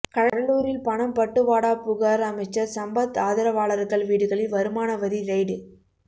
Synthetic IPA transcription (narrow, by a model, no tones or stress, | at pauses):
kɐɽɐɽɐluːɾɪlpɐɳɐmpɐʈːɯʋaːɽaːpʊɣaːɾɐmɐɪt͡ʃːɐɾsɐmbɐt̪aːðɐɾɐʋaːɭɐɾɯkːɐɭʋiːɽɯɣɐɭɪlʋɐɾɯmaːnɐʋɐðiɾɐɪɽɯ